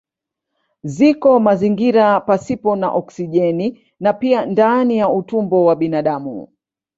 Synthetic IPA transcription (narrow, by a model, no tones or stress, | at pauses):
zikɔmaziŋɡiɾapasipɔna̰ʔɔksiʄɛni | napiandanijautumbɔwaɓinaɗamṵ